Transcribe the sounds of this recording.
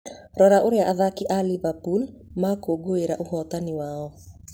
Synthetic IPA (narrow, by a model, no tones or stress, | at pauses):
ɾɔɾaʔoɾeaʔaðakiʔalivapul | makoɡoeɾaʔohɔt̪aniwaːɔ